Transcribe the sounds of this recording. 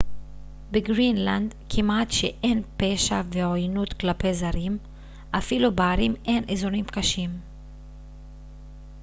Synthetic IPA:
beɡʁinland̪kʰimat̪ʃeʔe̞npe̞ʃaveojnut̪klape̞zaɾim | ʔafilubaːɾime̞nʔezo̞nimkaʃim

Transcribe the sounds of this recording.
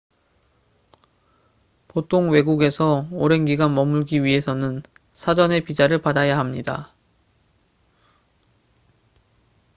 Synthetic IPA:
potʰoŋwe̞ɡuɡe̞sʰʌoɾe̞nɡiɡanmʌmuɭɡiɥiɦe̞sʰʌnɯn | sʰad͡ʑʌne̞pid͡ʑaɾɯɭpadajaɦamɲida̰

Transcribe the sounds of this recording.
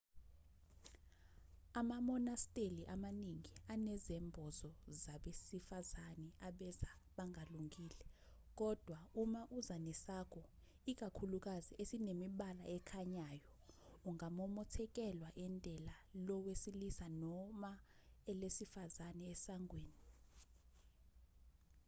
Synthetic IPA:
amamɔnastʼeliʔamaniŋianɛzɛmbʱɔzɔzaɓesifazanɛaɓɛzaɓaŋʱaluŋʱiːlɛ | k̬ɔd̥ʱwaumaʔuzanɛsakʰɔ | ik̬ʼakʰuluk̬aziʔesinemiɓala̰ɛkʰaɲaːjɔuŋamɔmɔtʰɛk̬ʼɛlwaʔɛndʱɛlalɔwesilisanɔma | ɛlesifazanɛɛsaŋɡweːni

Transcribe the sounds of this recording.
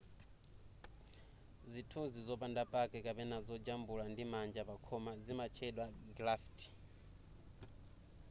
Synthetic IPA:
zitʰuzizɔpandapʼakɛkapɛnazɔd͡ʒambulandimand͡ʒapakʰɔmazimat͡ʃʰɛɗwaɡlaftʰi̥

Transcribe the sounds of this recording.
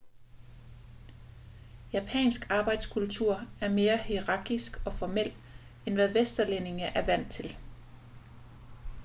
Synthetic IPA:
jæpʰɛ̰ːnsɡ̥ɑ̈ːb̥ɑ̈ɪ̰d̥skʰult͡sʰuɐ̰æɐme̝ːɐhiʁɑ̈ɡ̥isɡ̥ɒ̽fɒmel̰ | enʋæðˠʋesd̥ɐlene̝ŋəʔæɐʋæn̰t͡sʰe̝l

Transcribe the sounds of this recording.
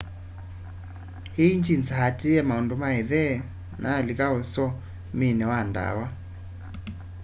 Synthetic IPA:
hiiɲd͡ʒint͡sahatiɛmaɔndɔmaiðɛ | nalikaɔsɔ | minɛwanda̰wa

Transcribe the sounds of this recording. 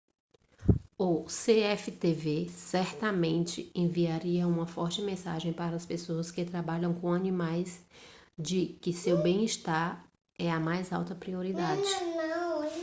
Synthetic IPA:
ʊseɛfɪt̪evesɛɾt̪ɐmẽnt͡ʃɪẽviaɾiɐũmɐfɔɾt͡ʃɪmẽsa̰ʒẽj̃paɾɐɐspesoɐskɪt̪ɾabaʎɐ̃w̃kõɐnĩmajs | d͡ʒɪkɪsewbẽj̃iʃt̪aɾ | ɛɐmajzawt̪ɐpɾioɾid̪ad͡ʒɪnɐ

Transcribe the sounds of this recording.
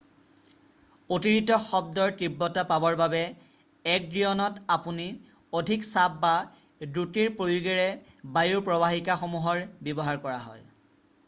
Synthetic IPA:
otiɹitɔxɔb̚dɔɹtɹibːɔtapabɔɹbabɛ | ɛk̚dɹijɔnɔtapuni | odʱiksap̚ːa | dutiɹpɹojuɡɛɹɛ | bajuɹpɹɔbaɦikaxomuɦɔɹbjebɔɦaɹkɔɹaɦɔ̰j

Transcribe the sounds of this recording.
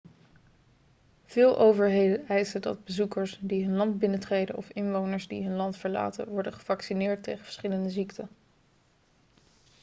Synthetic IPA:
v̥ɪːlˠʔowvəɹɦejdənɛjsədɑ̰d̚bəzukəɹsdiɦɵnlɑndbɪnətrejdənɔ̰fɪnʋownəɹzdḭɦɵnlɑntfəɹla̰ːtə̰ʋɔɹdəχəvɑksinɪːɹtːejχə̥və̥ɹsχɪləndəziktə

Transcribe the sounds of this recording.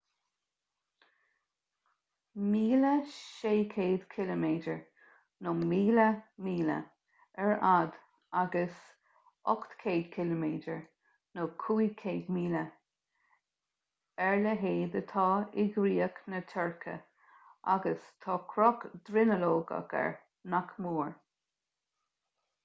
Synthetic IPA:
miːləʃeːkʰeːd̪̥kʰɪləmeːdəɹ | nomiːləmiːlə̰ | ɛɹad̪ | aɡəs | ɔkt̪kʰeːd̪kʰɪləmeːdəɹ | nokʰuːjkʰeːd̪miːlə | ɛɹləɦeːd̪ət̪ʰɑːɪɡɾiːəknət̪ʰɛɹkʰə̰ | ʔa̰ɡəst̪ʰɑːkʰɾɔkd̪ɾɪnəloːɡə̰ɡɛ̰ɹ | nakmuːɹ

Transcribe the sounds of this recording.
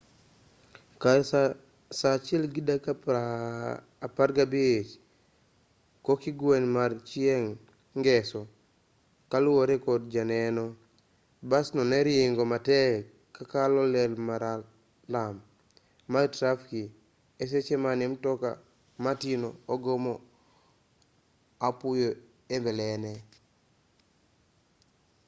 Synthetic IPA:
ka | sat͡ʃelɡidak | paɾɡabiet͡ʃ | kokiɡwenmaɾt͡ʃieŋ | ɡɛsɔ | kaluwoɾekɔd̚d͡ʒanenɔ | basnɔneɾieŋɡomatɛ | kakalɔlɛlmaɾa | lamː | aɾtɾafki | es̬et͡ʃemanimtɔka̰ | matinoːɡomɔ | apujo | embɛlɛnɛ

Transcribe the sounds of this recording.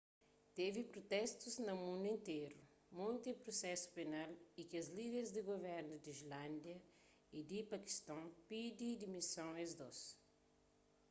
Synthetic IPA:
t̪evipɾot̪ɛst̪uznɐmũnd̪uẽnt̪eɾu | mũjt̪ipɾosɛsu̥penalikiɐzlid̪eɾzd̪ɪɡovɛɾnud̪iʒlãnd̪jɐ | id̪ipɐki̥st̪ɐ̃w̃pid̪id̪imisɐ̃w̃ezd̪os

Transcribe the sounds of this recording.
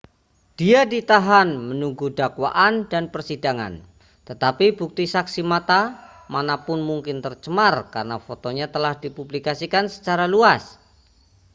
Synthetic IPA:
d̥iadit̪aɦanmənuŋɡudakwa̰ʔandanpərsidaŋa̰n | t̪ət̪apibuk̚t̪isaksimat̪a | manapʊnmuŋkɪnt̪ərt͡ʃəmarkarnafot̪oɲat̪əlahdipublikasikansə̥t͡ʃaɾaluas

